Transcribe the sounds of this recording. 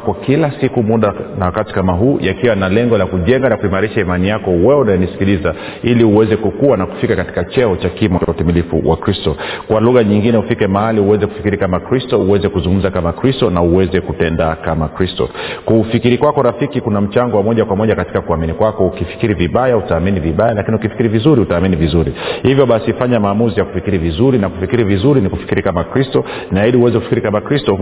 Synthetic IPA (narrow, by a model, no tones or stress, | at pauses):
kɔkilasikumuɗanawakati̥kamaɦuːʔakiwanalɛŋɡɔlakuʄɛŋɡalakuimaɾiʃaimanijakɔwɛɛunajɛnisi̥kiliza | iliuwɛzɛkukuwanaku̥fikakati̥kat͡ʃɛɔt͡ʃakimɔt͡ʃautimilifṵwʔa̰kɾistɔkwaluɣaɲiŋɡinɛufikɛmahaliuwɛzɛkufi̥kiɾikamakɾistɔuwɛzɛkuzuŋɡum̩zakamakɾistɔnauwɛzɛkutɛndakamakɾistɔ̰kufikiɾikwakɔɾafikikunam̩t͡ʃaŋɡɔwamɔʄakwamɔʄakati̥kakuaminikwakɔukifi̥kiɾiviɓajautaːminiviɓajalakiniukifi̥kiɾivizuɾiutaːminivizuɾihivjɔɓasifaɲamaːmuzijaku̥fikiɾivizuɾinaku̥fikiɾivizuɾiniku̥fi̥kiɾikamakɾistɔ | ninaiɗiuwɛzɛku̥fi̥kiɾikamakɾistɔ